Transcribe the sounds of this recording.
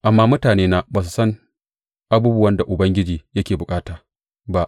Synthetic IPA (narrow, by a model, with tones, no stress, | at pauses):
ʔa˨mːaː˦mʊ˦taː˨neː˦naː˦baː˨su˨sɐ˦ŋ | ʔa˦buː˦bʊ˦wɐ˦nda˨ʔʊ˨bɐ˦ŋɡʲɪ˦d͡ʒiː˨jɐ˦kʲeː˨bʊ˨kʼaː˦taː˨ | ba˦ʔ